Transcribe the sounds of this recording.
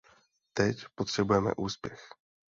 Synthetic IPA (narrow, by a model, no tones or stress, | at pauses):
t̪ɛcpot̪r̝̥ɛbujɛmɛ̰ʔuːspjɛx